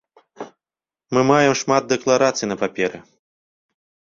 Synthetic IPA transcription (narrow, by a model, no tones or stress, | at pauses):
mɨmajɛmʂmat̪̚d̪ɛklˠaɾat̪sɨjnɐpapʲɛɾɨ